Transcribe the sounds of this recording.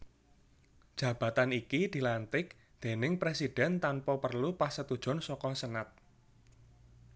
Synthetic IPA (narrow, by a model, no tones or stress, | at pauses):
d̥ʒ̥ä̤b̥ä̤t̪anikid̪̥i̤lant̪ɪk̚ | d̪̥e̤nɪŋpɾesid̥ɛnt̪anpɔpərlupasət̪ud̥ʒ̥ɔ̤nsɔkɔsənat̪̚